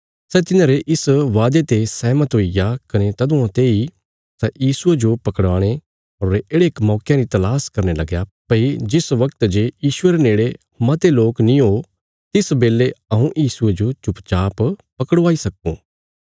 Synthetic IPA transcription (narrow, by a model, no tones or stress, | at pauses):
sɛt̪ɪnãːɾeʔɪsʋaːd̪et̪esɛːmət̪ɦoijakɐnet̪ɐd̪õãt̪eːi | sɛjiːsʊed͡ʒopɐkəɽʋaːɽ̃e | ɦoːɾeːɽeːkmɔːkjãɾit̪ɐlaːskɐɾnelɐɡjapɐid͡ʒɪsʋɐkt̪d͡ʒeːjiːsʊeɾeneːɽe | mɐt̪eloːknĩɦo | t̪ɪsbeːlːeɐɦũʔjiːsʊed͡ʒot͡ʃʊpt͡ʃaːppɐkəɽʋaːisɐkṵ̃ː